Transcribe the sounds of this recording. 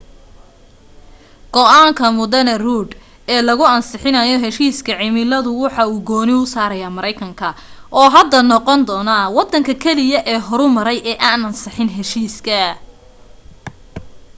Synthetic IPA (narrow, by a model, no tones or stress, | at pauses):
ɡ̥ɔʔaːŋkʰɐmʊd̪ɛnɐruːd̪ | ɛːlɐɣʊɐnsɪħɪnɐjɔɦɛʃiːskʰɐʕɪmɪlɐðʊwɑħɑuːɡɔːnɪʊsaːɾɐjaːmɐɾɛjkʰɐŋkʰɐʔɔːɦɐd̪ːɐnɔqɔnd̪ɔːnɐwɑd̪ːɐŋkʰɐkʰɛlɪjɐʔɛːɦɔɾʊmɐɾɛjʔɛːʔaːnɐnsɑħɪnɦɛʃiːskʰɐ